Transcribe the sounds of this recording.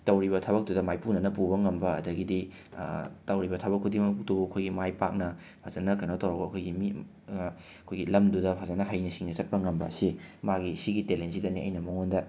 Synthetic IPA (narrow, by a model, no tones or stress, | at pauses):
tɐwɾiβɐtʰɐbɐk̚dudɐmajpunɐnɐpubɐŋɐmbɐɐ̰dɐɡidḭ | tɐwɾibɐtʰɐbɐkʰːudimɐputubuɐkʰojɡimajpak̚nɐ | pʰazɐnɐkɐnotɐwɾɐbɐːkʰojɡimi | ɐkʰojɡilɐmdudɐpʰazɐnɐɦɐjnisiŋnɐsɐt̚pɐŋɐmbɐ̰ɐsimaɡisiɡitelensidɐniʔɐ̰jnɐmoŋondɐ